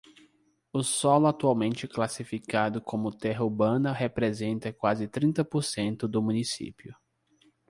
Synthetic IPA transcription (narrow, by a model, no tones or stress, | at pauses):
ʊsɔlʊat̪uawmẽnt͡ʃɪklasifikad̪ʊkʰõmʊt̪ɛɦɐuɾbɐ̃nɐɦepɾezẽnt̪ɐkwazɪt̪ɾĩnt̪ɐpoɾsẽnt̪ʊd̪ʊmũnisḭpjʊ